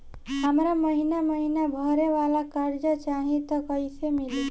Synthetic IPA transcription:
ɦəmɾaməɦinaməɦinabʱəɾeʋalakaɾd͡ʒət͡ʃaɦĩt̪ɔkəɪsemili

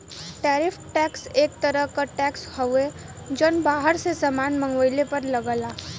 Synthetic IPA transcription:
ʈɛːɾɪfʈɛːkseːk̚t̪əɾəɦkaʈɛːkshəwe | d͡ʒənbaːɦəɾsesəmaːnmə̃ŋɡʋəɪlepɐɾlɐɡəlaː

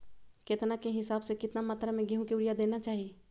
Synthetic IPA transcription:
ket̪nakeɦɪsaːbsekɪt̪namaːt̪ɾamẽɡiɦũkiʊɽijad̪eːnat͡ʃaːɦie

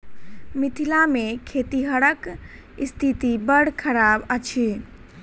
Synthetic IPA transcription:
mit̪ʰilamekʰet̪iɦəɽək | ist̪ʰit̪ibəɽkʰəɾabət͡ʃʰi

